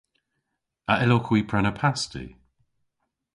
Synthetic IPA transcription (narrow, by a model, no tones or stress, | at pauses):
aʔɪlokʰwiːpʰɹɛnəpʰastḭ